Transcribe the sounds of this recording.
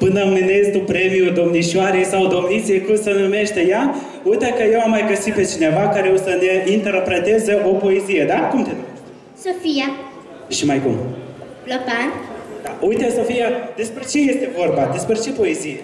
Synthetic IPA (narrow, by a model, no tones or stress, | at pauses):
pɨnəmenest̪upɾe̞mijud̪o̞mniʃaɾesawd̪o̞mnit̪sijekumsənume̞ʃt̪eja | ujt̪ekəjewamːajɡəsit̪̚pe̞t͡ʃine̞vakaɾeosəneint̪e̞rpɾe̞t̪ezəʔo̞po̞ezijed̪akumt̪enu | sofija | ʃimajkṵm | lopand̪aujt̪eso̞fijad̪e̞spɾe̞t͡ʃe̞je̞st̪e̞vo̞rbad̪e̞spɾe̞t͡ʃe̞po̞e̞zije